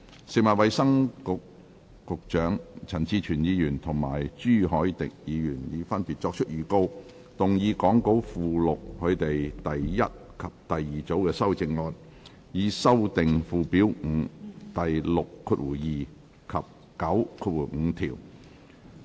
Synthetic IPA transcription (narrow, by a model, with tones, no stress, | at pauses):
se˨k̚mɐː˨t̚wɐ˨˧jsɐ˥ŋkʊ˨˧kː | ʊ˨k̚t͡ʃœː˨˥ŋt͡sʰɐ˨˩nt͡siː˧t͡ʃʰyː˨˩njiː˨˧jyː˨˩nt̪ʰʊ˨˩ŋma̰ː˨˩jt͡ʃyː˥ɦɔː˨˥jt̪ɪ˨k̚jiː˨˧jyː˨˩njiː˨˧fɐ˥npi˨t̚t͡ʃɔː˧k̚t͡ʃʰɵ˥t̚jiː˨˧ko˥w | t̪ʊ˨˩ŋjiː˨˧kɔː˨˥ŋko˨˥wfuː˨lʊ˨k̚hʰɵ˨˧ɥt̪e˨jt̪ɐ˨jjɐ̰˥t̚kʰɐ˨p̚t̪ɐ˨jːiː˨˩t͡so˨˥wkɛː˧sɐ˥wt͡sɪ˨ŋlɔː˨n | jiː˨˧sɐ˥wt̪ɪ˨ŋfuː˨˩piː˨˥wŋ̩ː˨˧t̪ɐ˨jlʊ˨kʰːuː˧t̚wuː˨˩jiː˨ | kʰɐ˨p̚ | kɐ˨˥wkʰuː˧t̚wu˨˩ŋ̩ː˨˧t̪ʰiː˨˩w